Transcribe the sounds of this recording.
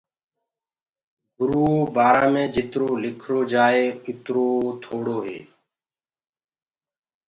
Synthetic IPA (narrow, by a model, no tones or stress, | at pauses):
ɡʊɾuːbaːɾãːmẽːd͡ʒʱɪt̪ɾoːlɪkʰɾoːd͡ʒaːeːʊt̪ɾoːt̪ʰoːɽoːɦḛː